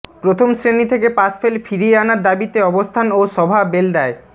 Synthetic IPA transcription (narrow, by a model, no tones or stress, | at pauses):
pɾot̪ʰomsɾenit̪ʰekepasfʰelfiɾieanaɾd̪abit̪eɔbost̪ʰanoʃɔbʱabeld̪ɛe